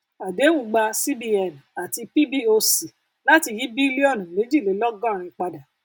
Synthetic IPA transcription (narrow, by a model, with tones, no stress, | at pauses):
a˨de˨˦wũ˦ɡ͡ba˧si˦bi˧ɛ˨n˨a˨ti˧pi˦bi˦o˧si˨ | la˦ti˧˨ji˨˦bi˦li˦ɔ˦˨nũ˨le˨˦d͡ʒi˦˨le˨˦lɔ˦ɡã˦˨ɾ̃ĩ˧k͡pa˧da˨